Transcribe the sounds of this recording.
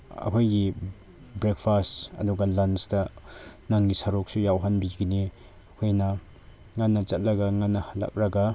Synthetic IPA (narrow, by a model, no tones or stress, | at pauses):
ɐ̰kʰojɡi | bɾek̚pʰastɐ̰duɡalansdɐnaŋɡisɐɾok̚sujawɦanbiɡini | ɐkʰojnɐ | ŋanːɐt͡sɐt̚lɐɡaŋanːɐhala̰k̚ɾɐɡa